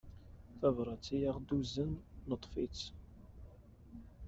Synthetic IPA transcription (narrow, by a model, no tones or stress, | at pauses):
θævɾˤɑt͡sːijaʁd̪uzənːət̪ˤfit͡s